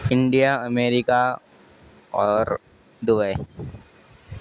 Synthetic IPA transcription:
ɪ̃ɳɖijaəmeːɾɪka | ɔːɾ | d̪ʊbəe

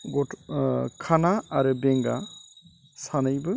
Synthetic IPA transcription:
ɡɔtkʰanaaɾɯbɛŋɡa̰ | sanɯjbɯ

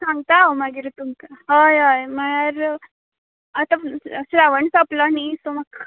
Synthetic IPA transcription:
sãŋɡ̚t̪amaɡiɾt̪uŋkaɦajajm̤əɽ̃aɾ | at̪ãsɾaʋəɳsaplanisomək

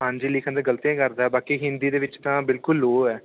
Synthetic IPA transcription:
ɦãːɲd͡ʒiːlɪkʰə̃nd̪aːɡəlt̪iãːkəɾd̪aːɛːbaːkiːɦɪnd̪iːd̪eːʋɪt͡ʃt̪ãːbɪlkʊlːoːɛː

